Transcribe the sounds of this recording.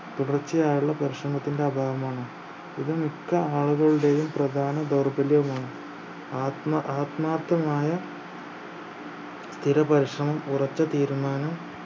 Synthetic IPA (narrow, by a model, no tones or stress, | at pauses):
t̪uɽɐrt͡ɕːɐjaːɾuɭːɐpɐɾiʂrɐmɐt̪ːinde̞ɐbʱaːʋɐmaːɳɨ | iðɨmikːɐaːɭuɣɐɭuɽe̞ːjumprɐd̪ʱaːnɐd̪ɐwrbɐljɐʋumaːɳɨ | aːt̪mɐaːt̪maːt̪ːɐmaːjɐ | st̪ʰiɾɐpɐɾiʂrɐmɐmurɐt͡ɕːɐt̪iːɾumaːnɐm